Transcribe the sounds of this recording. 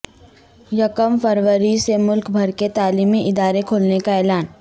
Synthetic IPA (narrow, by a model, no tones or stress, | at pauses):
jɐkəmfəɾwəɾisemʊlkbʱɐɾket̪aːliːmːiʔɪd̪aːɾekʰoːlnekaɛːlaːn